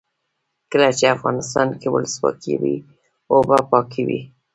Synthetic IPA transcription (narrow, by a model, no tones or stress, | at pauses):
kəlat͡ʃeafɣɑnɪst̪ɑnkewə̰ləswɑ̰kʰiwi | obapɑkʰiwḭ